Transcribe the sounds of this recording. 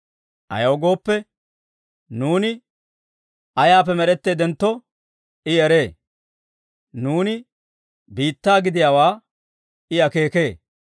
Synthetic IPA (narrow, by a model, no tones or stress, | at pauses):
ʔɐ̰jɐwɡo̞ːpːɛ | nuːnɪ | ɐjaːp̬ːɛmɛɾɛt̪ːeːd̪ɛnt̪ːɔ | ɪɛɾe̞ː | nuːnɪ | biːt̪ːaːɡɪd̪ɪjaːwaː | ɪɐke̞ːke̞ː